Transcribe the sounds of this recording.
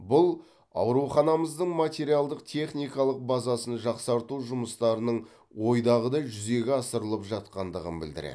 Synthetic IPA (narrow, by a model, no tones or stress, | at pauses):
bʊlˠ | ɑ̰wɾuχɑnɑməzd̪əɴmat̪ʲe̞ɾijalˠd̪əq̚t̪ʲʰe̞χnijkɑlˠəq̚bɑzɑsənʒɑqsɑɾt̪uʒʊməst̪ɑɾənəɴ | wo̞jd̪ɑʁəd̪ɑjʒʏze̞ɡʲɪɑsəɾəlˠəpʒɑt̪̚qɑnd̪əʁənbɪ̰ld̪ɪ̰ɾḛ